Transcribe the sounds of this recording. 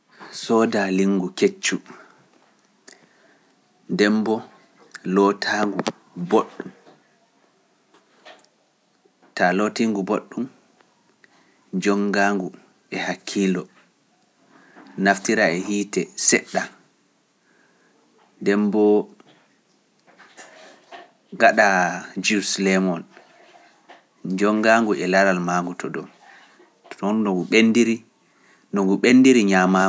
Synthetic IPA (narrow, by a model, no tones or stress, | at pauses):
sɔdaliŋɡuket͡ʃːu | ndɛmbɔ | lɔtʰaːŋɡu | boɗːum | talotiŋɡuboɗːum | d͡ʒɔŋɡaːŋɡu | ɛhakʰːiːlɔ | naftiɾaɛhiːtɛsɛɗːa | dɛmbɔ | ɡaɗad͡ʒuslɛmɔn | d͡ʒɔŋɡaŋɡuʔɛlaɾalmaːŋɡutʰɔdɔm | tɔnnɔɡuɓendiɾi | nɔŋɡuɓenːdiɾiɲama